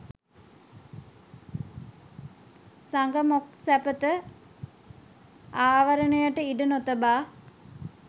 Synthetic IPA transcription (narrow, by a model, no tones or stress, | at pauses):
saŋɡəmoksæpət̪ə | aːʋəɾənəjaʈəiɖənot̪əbaː